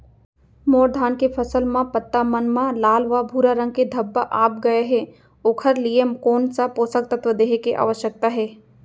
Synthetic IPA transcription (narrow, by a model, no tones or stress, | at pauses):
moːɾd̪ʱaːnkepʰɐsəlmãpət̪ːamənmãlaːlʋabʱuːɾaɾə̃ŋɡ̚ked̪ʱɐbːaʔaːp̚ɡɐeɦɛ | oːkʰəɾliemkoːnsapoːsək̚t̪ət̪ʋəd̪eːɦekeʔa̰ːʋəʃjək̚t̪aɦɛː